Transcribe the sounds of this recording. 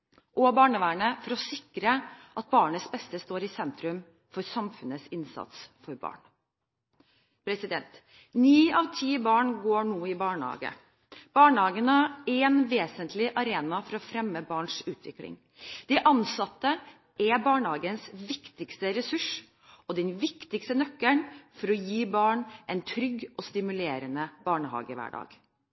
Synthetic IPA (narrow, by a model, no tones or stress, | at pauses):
ʔɔbɑːɳəʋæːɳəfɔɾɔsɪkɾəʔɑt̪̚bɑːɳəsbɛst̪əst̪oːɾɪsɛnt̪ɾʉm | fɔɾsɑmfʉnəsɪnsɑ̰t̪sfɔɾbɑ̰ːɳ | pʰɾɛsɪd̪ɛnt̪ | niːɑʋt̪ʰiːbɑːɳɡoːɳuːɪbɑːɳhɑ̰ːɡə̰ | b̥ɑːɳhɑːɡənəæɛnʋeːsənt̪ʰlɪʔɑɾeːnɑfɔɾɔfɾɛmːəbɑːɳʂʉːt̪ʰʋɪ̰klɪ̰ŋ | d̪̥ɛʔɑnsɑt̪ːə | ʔɛbɑːɳhɑːɡənsʋɪkt̪ɪkst̪əɾɛsʉʂ | ɔd̪ɛnʋɪkt̪ɪkst̪ənœkːəɳfɔɾɔjiːbɑːɳʔɛnt̪ʰɾʏɡʔɔst̪ɪmʉleːɾənəb̥ɑːɳəhɑ̰ːɡəʋæ̰ːɖɑ̰ːɡ̥